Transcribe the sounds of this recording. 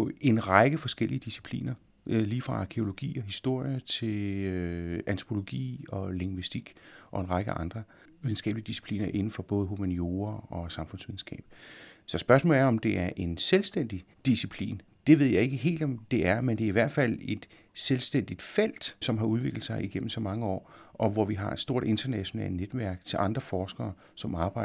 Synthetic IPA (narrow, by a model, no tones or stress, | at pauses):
e̝nʁɑ̈ɡ̥əfɒ̽sɡ̥el̰iəd̥isi̥pʰlḭːnɐ | liːfʁɑ̈ɑ̈kʰeo̝lo̝ɡ̥ḭːɒ̽ɦisd̥o̝ɐ̰jət͡sʰe̝løænt͡sʰo̥pʰo̝lo̝ɡ̥ḭːɒ̽le̝ŋʋisd̥iɡ̥ʔɒ̽e̝nʁɑ̈ɡ̥əʔɑ̈nd̥ʁɐ | ʋiðˠn̩sɡ̥ɛ̰ːb̥əliəd̥isi̥pʰlḭːnɐʔe̝nn̩fɒ̽b̥ɔ̽ːð̞̩ˠɦumænio̝ːɐɒ̽sɑ̈mfɔ̽nsʋiðˠn̩sɡ̥ɛ̰ːb̥̚sɒ̽sb̥ɶɐsmɔ̰ːlæɐɒ̽md̥e̝æɐʔe̝nselsd̥en̰d̥id̥isipʰlḭːn | d̥e̝ʋe̝ð̞̰ˠjɑ̈e̝ɡ̥əɦe̝̰ːld̥ɒ̽md̥e̝æɐmend̥eɐiʋæɐ̰d̥fæl̰e̝d̥ | selsd̥en̰d̥id̥fel̰d̥sɒ̽mɦɑ̈uð̞ˠʋe̝ɡ̥l̩əsɑ̈ɪʔiɡ̥em̰m̩sɒ̽mɑ̈ŋəɒ̰ːʔɒ̽ʋɒʋiɦɑ̈ed̥sd̥o̝ɐ̰de̝nd̥ɐnæɕo̝nɛ̰ːlned̥ʋæɐɡ̥̚t͡sʰe̝lʔɑ̈nd̥ʁɐfɒːsɡ̥ɐː | sɒ̽mɑ̈ːb̥ɑ̈ɪ